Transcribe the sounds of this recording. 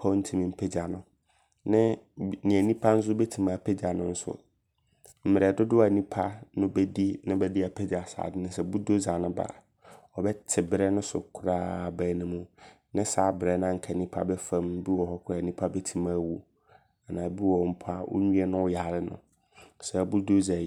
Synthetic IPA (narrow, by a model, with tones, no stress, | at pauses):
pʰa˦n̩˦tʰĩ˦mĩ˨m̩˦pʰe˦d͡ʑa˨nʊ̃˨ | nɪ̃˦nĩ˨æ˨nĩ˦pʰa˦n̩˦s̬ʊ˦bɛ˦tʰi˨mã˨pʰe˦d͡ʑa˨nʊ̃˦n̩˦sʊ̰˦ | m̩˨mɪ˨ɾɛ˨dʊ˦dʊ˦a˨nĩ˦pʰa˦nʊ̃˦bɛ˦di˦nɪ̃˦bɛ˦di˦a˨pʰɛ˦d͡ʑa˨sa̰ː˨dɪ˦nʊ̃˦sɛ˨bu˦do˦za˨nʊ̃˦ba̰˨ | ɔ˨bɛ˦tʰɪ˨bɪ˦ɾɛ˦nʊ̃˦sʊ̰˨kʰʊ˦ɾaː˦˨bæ˨˦nɪ̃˦mʊ̃˦ | nɪ̃˦saː˨˦bɾɛ˨˦nã˦ŋ̩˨kʰa˨nĩ˦pʰa̰˦bɛ˦fã˨m˦bi˦wɔ˨hɔ˦kʰʊ˦a˨nĩ˦pʰa˦bɛ˦tʰi˨mãː˦wu˦ | a˨nã˨bi˦wɔ˨m̩˦pʰa˦wʔʊ̰˦ɲũ˦ɛ˦nʊ̃˦wja˨lɪ˦nʊ̰̃˨ | sɛ˨bu˦do˦za˨